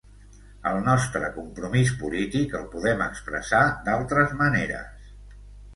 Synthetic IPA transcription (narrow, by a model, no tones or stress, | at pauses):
əlˠnɔst̪ɾəkumpɾumis̬pulit̪ikəlˠpuðɛməkspɾə̰sad̪alˠt̪ɾəzməneɾə̰s